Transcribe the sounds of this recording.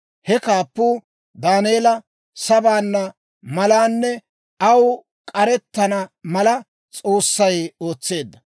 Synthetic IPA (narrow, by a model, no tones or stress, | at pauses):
hɛkaːpːuː | d̪aːneːlɐ | sɐbaːnːɐ | mɐlaːnːɛ | ɐw | kʼɐɾɛt̪ːɐnɐmɐlɐ | t͡sʼo̞ːsːɐjo̞ːt͡sːe̞ːd̪ːɐ